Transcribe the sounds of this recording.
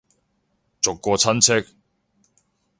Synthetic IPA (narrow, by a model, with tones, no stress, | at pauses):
t͡sʊ˨kːɔː˧t͡sʰɐ˥nt͡sʰɪ˥k̚